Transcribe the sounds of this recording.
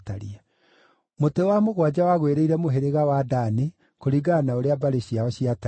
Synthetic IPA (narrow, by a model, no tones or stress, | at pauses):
taɾia | motewamoɣwad͡ʑawaɣweɾeiɾɛmoɦeɾeɣawadane | koɾiɡanaoɾeabaɾeɕiaɔɕiata